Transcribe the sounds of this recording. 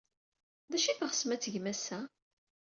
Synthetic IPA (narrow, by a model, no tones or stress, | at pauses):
ðæʃiθəχə̥smæt͡sːəʝmæsæ